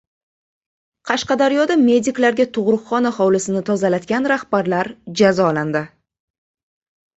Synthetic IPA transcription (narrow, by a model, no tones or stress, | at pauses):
qʰɑʃqɑd̪aɾjɒd̪ame̞d̪ɪklaɾɡʲat̪ʰʊʁɾʊqχɒnahɒwlɪsɪnɪt̪ʰɒzalat̪ɡʲanɾahbaɾlaɾd͡ʒazɒland̪ɪ